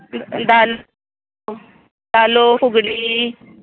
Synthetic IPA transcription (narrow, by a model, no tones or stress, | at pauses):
d̪aːl | d̪aːloːfʊɡɽiː